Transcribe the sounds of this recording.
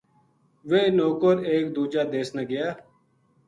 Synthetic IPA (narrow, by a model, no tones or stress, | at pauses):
ʋeːnoːkəɾeːk̚d̪uːd͡ʒaːd̪eːsnaɡɪjaː